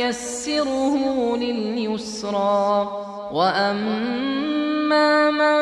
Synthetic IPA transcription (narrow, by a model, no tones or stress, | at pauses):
asːɪɾʊhʊlɪljʊsɾˤɑː | waʔam | aːma